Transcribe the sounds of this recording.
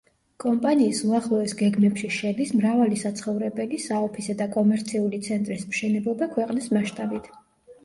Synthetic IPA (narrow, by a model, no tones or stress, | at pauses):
kʼɔmpʼaniːsuaχlˠɔɛsɡɛɡmɛpʃiʃɛd̪ismɾavalisat̪sʰχɔvɾɛbɛlisaɔpʰisad̪akʼɔmɛɾt̪sʰiulit̪sʰɛnt̪ʼɾismʃɛnɛblˠɔbakʰwɛqʼnismaʃt̪ʼabit̪ʰ